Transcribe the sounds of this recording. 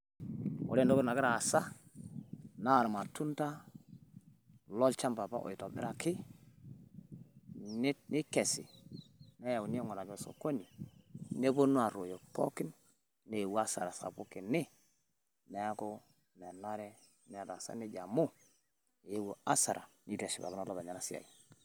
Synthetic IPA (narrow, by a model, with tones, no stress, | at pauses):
o̰˨ɾe˦ndo˦ko˦na˨ɡɪ˦ɾaː˨sa˦ | na˦˨ɾma˨tu˦nta˦ | lo˦lt͡ʃa˦mba˨pa̰˦ʔo̰˨i˨to˨dɪ̰˦ɾa˨kɪ˦ | ni˦ke˨sḭ˨ne˦ja˨wu˨n˦e˦ŋɔ˨na˨d͡ʒo˦˨so̰˨ko˦ni˨ne˦bo˦nu˦a˨ɾo˨jo˨po˦ki˦n | ne˨wa˦sa̰˨ɾa˨sa̰˨pu˦ki˨ni˦ | ne˨a˦ko˦ | ne˨na˦ɾɛ˦ | ne˨ɾa˨sa̰˦ni˦ɟa˨mu˦˨ | je˦wu˨a˦sa˨ɾʔa̰˨ni˦te˨si˨ba̰˨ku˦na˨lo˦ba˨ɲa˨na˨si˦a̰˨ji˨